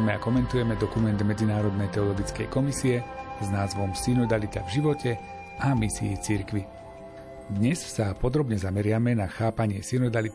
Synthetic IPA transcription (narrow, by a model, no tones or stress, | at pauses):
mɛa̰kɔmɛnt̪ujɛmɛd̪ɔkumɛnd̪mɛd͡zinaːɾɔd̪nɛjt̪ɛɔlɔɡit͡skɛ̰jkɔmisiɛznaːzʋɔmsinɔd̪alit̪a̰vʒiʋɔcɛ | amisḭjḭt͡siɾkʋi | d̪ɲɛssapɔd̪ɾɔbɲɛzamɛɾɪamɛnaxaːpaɲɪɛsinɔd̪alit̪